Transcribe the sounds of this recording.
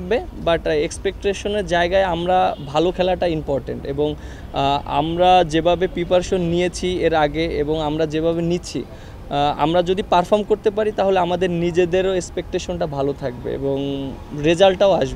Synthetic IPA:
k̚bebaʈekspek̚ʈeʃoneɾd͡ʑaeɡaeamɾabʱalokʰɛlaʈaimpɔɾʈḛɳʈḛboŋ | a̰mɾad͡ʑebʱabepipaɾʃonːijet͡ɕʰieɾaɡeeboŋamɾad͡ʑebʱaβenit͡ɕʰḭ | a̰mɾad͡ʑod̪ipaɾfʰɔɾmkoɾt̪epaɾit̪aɦoleamad̪eɾnid͡ʑed̪eɾoekspek̚ʈeʃonʈabʱalot̪ʰak̚bḛḛboŋɾed͡ʑalʈaoaʃbe

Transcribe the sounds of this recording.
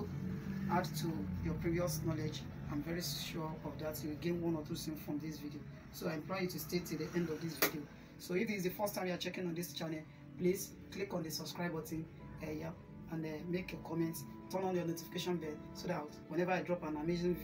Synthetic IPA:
adtʰujɔpɹiviɔsnɔlɛd͡ʒ | ãɪ̃mvɛɹiʃuɔfdatjuwiɡẽnwɔ̃nɔθuθĩŋsfɹɔ̃mdisvidio | soaɪɛ̃mplɔɪjutustetudiʔɛ̃ndɔvdisvidio | soifdisdəfɜstãmjuat͡ʃɛkĩnɔ̃ndist͡ʃanɛ | plis | klikɔ̃ndəsɔb̥skɹaɪbɔtĩm | ɛjap | ãnɛmekekʰɔmɛ̃nts | tɔ̃nɔ̃njɔnotifi̥keʃɔ̃nbɛ̃n | sodatwɛ̃nɛvaaɪdɹɔpãnamezĩn

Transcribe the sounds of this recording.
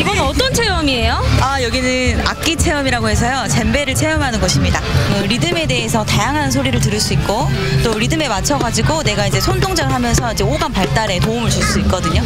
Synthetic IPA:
iɡʌnɯnʌt͈ʌnt͡ɕʰe̞ʌmie̞joajʌɡinɯna̰k̚k͈it͡ɕʰe̞ʌmiɾaɡoɦe̞s̬ʰʌjot͡ɕembe̞ɾɯɭt͡ɕʰe̞ʌmɦanɯnɡʌɕʰimɲidaɯɾidɯme̞de̞ɦesʰʌtajaŋɦansʰoɾiɾɯɭt̬ɯɾɯɭs͈uik̚k͈ot͈oɾidɯme̞mat͡ɕʰʌɡad͡ʑiɡone̞ɡaid͡ʑe̞sʰontʰoŋd͡ʑaɡɯɭɦamjʌnsʰʌid͡ʑe̞oɡanpaɭt͈aɾe̞toumɯɭt͡ɕuɭs͈uik͈̚ʌdɯɲo

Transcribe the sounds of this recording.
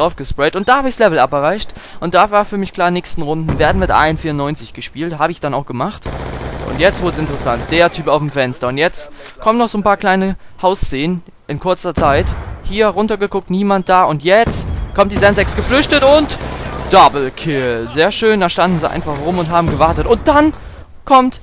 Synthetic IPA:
ʁaʊfɡ̥əspʁɛɪtʊnt̚d̥aːhaːbəɪçslɛvl̩ʔa̰pəʁaɪçtʔʊnt̚d̥aːvaːɐfyːɐmɪçkl̥aːɐnɛːçstn̩ʁʊndn̩veːɐdn̩mɪtʔa̰ɪnfiːɐʊnɔʏnt͡sɪçɡ̥əʃpiːlthaːbəɪçd̥anaʊxɡ̥əmaχtʔʊ̰ntjɛt͡stv̥ɪɐdəsɪntəʁəsant̚d̥eːɐtʰyːpaʊfm̩fɛnstɐʊntjɛt͡st | kʰɔmənːɔχz̥oːnpʰaːɐkl̥aɪnəhaʊst͡seːən | ʔɪnkʰʊɐt͡sɐt͡saɪthiːɐʁʊntɐɡəkʰʊk̚tniːmant̚d̥aːʔʊntjɛt͡stkʰɔmtdizɛntzɛksɡ̥əflʏçtətʊntd̥abl̩kʰɪlzeːɐʃøːndaːʃtandn̩ziʔa̰ɪnfaχʁʊmʊntɦaːbm̩ɡəvaɐtətʊnt̚d̥an | kʰɔmt

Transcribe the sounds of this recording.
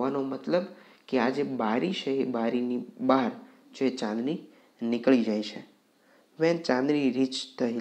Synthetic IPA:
anomət̪ləb | kead͡ʒebaɾiʃeːbaɾinibaɦɾ | d͡ʒoet͡ʃãnd̪ɾi | nɪkɭid͡ʒajt͡ʃʰe | ʋɛ̃t͡ʃãnd̪ɾiɾit͡ʃt̪ʰəɦi

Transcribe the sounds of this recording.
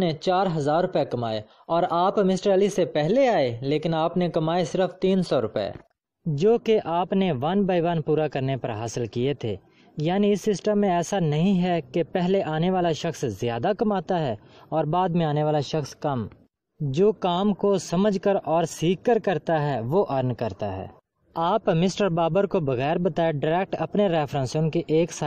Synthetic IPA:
net͡ʃaːɾɦɐzaːɾːʊpekɐma̰ːe | ɔːɾaːpmɪsʈəɾɛːlisepɛɦleaːeleːkɪnaːpnekɐmaːesɪɾəft̪iːnsɔɾʊpɛ̰ː | d͡ʒoːkeʔaːpneʋɐnbaːɪʋaːnpuːɾakɐɾnepɐɾɦaːsəlkiet̪ʰḛː | jaːniɪsːɪsʈəmːẽɛːsanɐɦĩɦɛkepɛɦleʔaːneʋaːlaʃɐxszɪjaːd̪akɐmaːt̪aɦɛːɔːɾbaːd̪mẽaːneʋaːlaʃɐxskɐm | d͡ʒoːkaːmkosɐməd͡ʒkəɾɔːɾsiːkːəɾkɐɾt̪aɦɛʋoːʔɐɾnkɐɾt̪aɦɛ̰ː | aːpmɪsʈəɾbaːbəɾkobɐɣɛːɾbɐt̪aːeɖɐɾɛːk̚ʈɐpneɾɛːfɾə̃ːnsõnkeʔeːksa

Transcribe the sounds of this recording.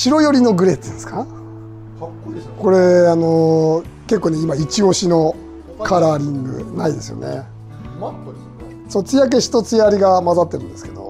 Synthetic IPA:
ɕiɾo̞jo̞ɾʲino̞ɡɯ̟ɾe̞t͡sɨsɨ̥ka | ko̞ɾe̞ano | ke̞kːoːne̞imait͡ɕio̞ɕino | kʰaɾaːɾʲĩŋɡɯ̟̰naid̪e̞sɨjo̰ne̞̰ | sot͡sɨjak̬e̞ɕi̥t̪o̞t͡sɨjaɾʲiɡamazat̪ːe̞ɾɯ̟̃nd̪e̞sɨ̥ke̞d̪o̞̰

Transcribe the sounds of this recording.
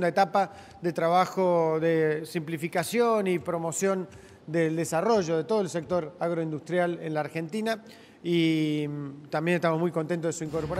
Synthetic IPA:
nd̪aet̪apa | ðet̪ɾaβ̞axoðesimplifikasjonipɾo̞mosjo̞n | d̪eld̪esaro̞ʒo̞ð̞e̞t̪o̞ð̞oelse̞k̚t̪o̞ɾaɣɾo̞ind̪ust̪ɾjalenlaːɾxe̞nt̪ina | i | t̪ambjenest̪amozmujkont̪ent̪ozðesuiŋkoɾpoɾa

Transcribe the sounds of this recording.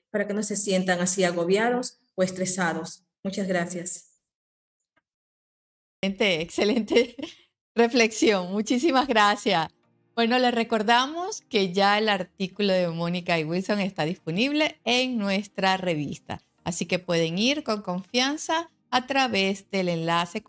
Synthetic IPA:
paɾake̞no̞se̞sje̞nt̪aŋasiaɣo̞βjaðo̞s | oe̞st̪ɾe̞saðo̞s | mut͡ʃazɣɾasjas | ent̪eːkse̞le̞nt̪e̞ | re̞fle̞ksjo̞ŋmut͡ʃis̬imazɣɾasjas | bwe̞no̞le̞sre̞ko̞ɾðamo̞ske̞ʝae̞laɾt̪ikulo̞ðe̞mõ̞nikaiwilso̞ŋe̞st̪aðispo̞niβ̞le̞eŋnwe̞st̪ɾare̞β̞ḭst̪a̰ː | sike̞pwe̞ðe̞ŋiɾko̞ŋko̞ɱfjansaː | t̪ɾaβe̞zd̪e̞le̞nlase̞

